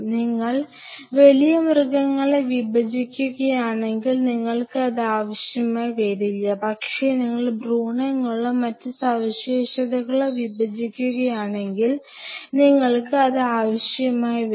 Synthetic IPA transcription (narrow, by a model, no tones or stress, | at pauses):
niŋːɐɭ | ʋɐelijɐmrɡɐŋːɐɭeʋibɐd͡ʑikʲːuɣɐjaːɳe̞ŋɡilniŋːɐɭkɨɐðɨaːʋɐɕjɐmaːjʋeɾilːɐpɐkʂe̞niŋːɐɭbruːɳɐŋːɐɭɐmːɐtːɨsɐʋɐɕeːɕɐðɐɣɐɭeʋibɐd͡ʑikʲːuɣɐjaːɳe̞ŋɡil | niŋːɐɭkɨɐðɨaːʋɐɕjɐmaːjʋ